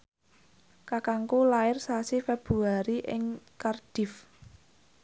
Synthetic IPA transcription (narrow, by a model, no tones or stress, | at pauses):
kakaŋkulaɪrsasifɛb̥ɾuaɾiʔɪ̰ŋkard̥ɪ̤f